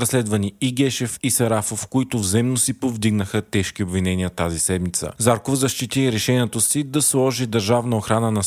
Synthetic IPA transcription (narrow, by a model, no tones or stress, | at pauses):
ɾɐslɛd̪vəniiɡɛʃɛfisɐɾafofkoit̪ʊvzɛmnosipovd̪iɡnəxət̪ɛʃkiobvinɛniət̪azisɛd̪mit̪sə̰zaɾkofzɐʃt̪it̪iɛɾɛʃɛniɛt̪osid̪ɐslˠɔʒid̪ɐɾʒavnəoxɾanənɐ